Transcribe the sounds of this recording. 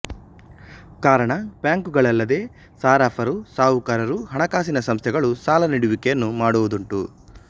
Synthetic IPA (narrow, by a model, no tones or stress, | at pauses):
kaːɾɐɳɐpjaːŋkuɡɐɭɐlːɐd̪e̞ː | saːɾaːpʰɐɾusaːʋukaːɾɐɾuɦɐɳɐkaːsinɐsɐmst̪ʰɛɡɐɭusaːlɐniɽuʋikɛjɐnːumaːɽuʋud̪uɳʈu